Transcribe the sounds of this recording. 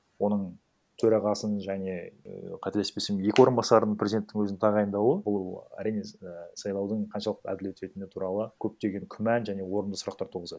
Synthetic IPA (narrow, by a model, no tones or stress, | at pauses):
wo̞nəɴ | t̪ʰɵɾɑʁɑsənʒæne̞qʰɑt̪ele̞spesemnje̞kʲɪwo̞ɾənbɑsɑɾənəɴpʰɾʲezid̪e̞nt̪ːɪŋwɵzɪnt̪ʰɑʁɑjənd̪ɑwəbʊllˠæ̰ɾijnesɑjlˠɑwd̪əɴqʰɑnʃɑlˠəqæ̰d̪ɪlet̪e̞t̪ɪnɪt̪ʰuɾɑlˠəkʲʰɵp̚t̪e̞ɡʲe̞ŋkʲʰʏmænʒæne̞wo̞ɾənd̪əsʊɾɑqt̪ɑɾt̪ʰuʁəzɑd